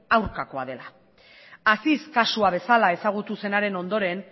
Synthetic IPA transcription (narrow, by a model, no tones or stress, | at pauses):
awɾkako̞aðe̞la | asiskasuaβ̞e̞salae̞saɣ̞ut̪use̞naɾe̞no̞nd̪o̞ɾe̞n